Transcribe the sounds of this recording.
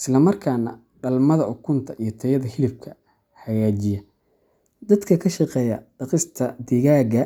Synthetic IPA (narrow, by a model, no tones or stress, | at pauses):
ʔɪslɐmɐrkʰaːnɐ̰ | ɖɐlmɐðɐʔʊkʰʊnt̪ʰɐʔijɞt̪ʰɐjɐðɐhɪlɪb̚kʰɐ | ħɐjaːt͡ʃɪjɐ | d̪ɐd̪kʰɐkʰɐʃɑqɛːjɐ̰ɖɑqɪst̪ʰɐd̪ɪɣaːɡɐ